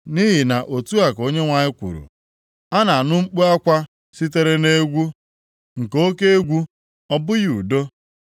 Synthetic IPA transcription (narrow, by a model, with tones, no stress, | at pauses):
ni˦ɦi˨na˨ʔo˨tu˦a˨ko˦ɲe˦ŋʷa˨ɲɪ˦kʷṵ˨ɾṵ˨ | a˦na˨a˨nʊ˦ŋ͡m̩˦k͡pu˦a˦kʷa˦ | si˦t̬e˦ɾe˦ne˦ɡʷu˦ | ŋ̩˨ko˦ke˦e˦ɡʷu˦ | ɔ˦bʊ˦ju˨do˦